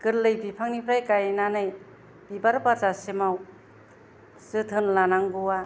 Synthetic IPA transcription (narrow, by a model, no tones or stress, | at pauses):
kɯɾlɯjbipʰaŋnipʰɾajkajnanɯj | b̥ibaɾpat͡ʃasemaw | sɯt̪ʰɯnlanaŋɡuwa